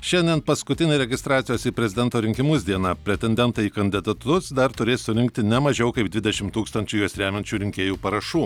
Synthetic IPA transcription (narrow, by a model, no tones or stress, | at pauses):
ʃʲɛnʲd̪ʲiɛnpɐskʊt̪ʲɪnʲeɾʲɛɡʲɪst̪ɾɑːt̪sʲɪjoːsipʲɾʲɛzʲɪd̪ʲɛnt̪oːɾʲɪŋʲkʲɪmʊsd̪ʲiɛnɑpʲɾʲɛt̪ʲɛnʲd̪ʲɛnt̪ɐiːkɐnʲd̪ʲɪd̪ɐt̪ʊsd̪ɐɾt̪ʊɾʲeːssʊɾʲɪŋk̚t̪ʲɪnʲɛmɐʒʲɛʊkɐɪp̚d̪ʲʋʲɪd̪ʲɛʃʲɪmt̪uːkst̪ɐnʲt͡ʃʲuːjuɔsɾʲæːmʲɛnʲt͡ʃʲuːɾʲɪŋʲkʲeːjuːpɐɾɐʃuː